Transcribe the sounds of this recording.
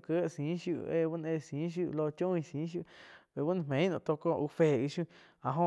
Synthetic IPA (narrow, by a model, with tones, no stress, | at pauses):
kə˦˧sĩ˨˦ʃju˦˧ʔe˧βu˦n˧ẽ˧˨sĩ˨˦ʃ̬ju˦ʔlo˧t͡ʃõ˦˧ĩ˧sĩ˨˦ʃ̬ju˦˧ʔβe˨βu˦ñ˧˨mẽ˨˦ĩ˦nṵ̃˧t̪o˧ko˦˧ʔu˧fe˧˨i˧ʃũ˦ | a˨ɦõ˧